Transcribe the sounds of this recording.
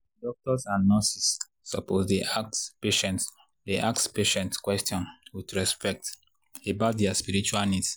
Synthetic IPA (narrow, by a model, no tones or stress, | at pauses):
dɔk̚tɔsãnːɔsisː | ɔposdiʔakpeʃɛ̃nt | deʔaktspeʃɛ̃ntkwɛstjɔ̃nwudɹɛspɛk̚t | ebat̚dɛaspiɹit͡ʃualnids